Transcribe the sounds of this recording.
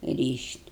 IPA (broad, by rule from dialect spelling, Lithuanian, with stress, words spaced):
ˈrʲiːʃʲtʲ